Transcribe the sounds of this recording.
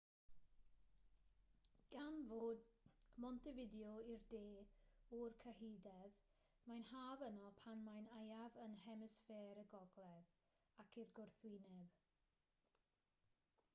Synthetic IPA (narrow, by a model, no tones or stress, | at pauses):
ɡ̥anvoːdmɔntʰɪvɪdiɔirdeːɔrkʰəɦiːdɛð | majnhaːvənɔpʰanmajnajavənhɛmɛsfeːɾəɡɔɡlˠɛð | akʰirɡʊrθwɪnɛb